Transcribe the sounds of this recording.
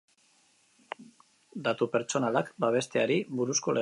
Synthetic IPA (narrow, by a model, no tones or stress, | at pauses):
d̪at̪upe̞ɾt͡ʃo̞nalakbaβ̞e̞st̪e̞aɾiβuɾusko̞le